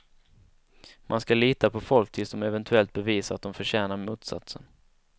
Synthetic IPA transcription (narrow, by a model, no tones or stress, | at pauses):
mʔanskaliːt̪apʰɔfɔlk̚t̪ʰɪlsd̪ɔmɛvɛnt̪ʰɵɛlt̪̚bɛviːsaɾat̪̚d̪ɔmfœɾɕɛːnaɾmuːt̪sa̰t̪sən